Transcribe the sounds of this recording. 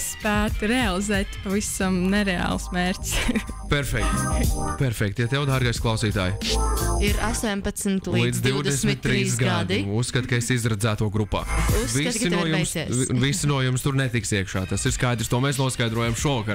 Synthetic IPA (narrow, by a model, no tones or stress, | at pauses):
spæːɾt̪ɾɛalˠizɛːt̪pavisamnɛɾɛa̰ːlˠsmɛːɾt̪ʲspɛɾfɛk̚t̪pɛɾfɛk̚t̪jat̪ɛwd̪aɾɡajsklˠawsiːt̪aːj | iɾasɛmʲpɐsnt̪ˠlˠːiːd̪zd̪iwd̪ɛssmit̪̚ːɾiːsɡad̪ussːkɐt̪kɐesizɾad̪zæːt̪uɔɡɾupa̰ːvisinuɔjumsvisːinuɔjumst̪uɾnɛt̪iksiəkʃaːt̪asiɾskajd̪ɾst̪uɔmɛːs̬nuɔskajd̪ɾuɔjamʃuɔakaɾ